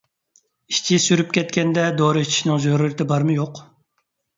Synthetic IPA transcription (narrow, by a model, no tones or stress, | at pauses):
iʃt͡ʃʰisyɾyp̚kʲʰɛt̪̚kʲɛnd̪ɛd̪oɾɨit͡ʃʰi̥ʃnɪŋzøɾyɾt̪ʰɪbɑɾmɨjoq